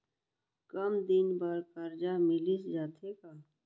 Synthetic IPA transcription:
kəmd̪ɪnbaɾkəɾd͡ʒamɪlisd͡ʒaːt̪ʰekaː

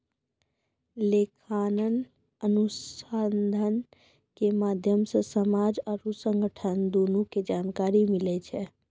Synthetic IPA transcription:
lekʰanən | ənusənd̪ʱən | kemad̪ʱjəmsə̃səmad͡ʒəɾusəŋɡʱəʈʰənd̪onuked͡ʒankaɾimilɛt͡ʃʰɛ

